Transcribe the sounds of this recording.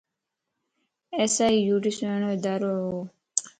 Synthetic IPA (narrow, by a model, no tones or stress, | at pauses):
eːsaːiːjuːʈisẽːnoed̪aːɾoːɦoː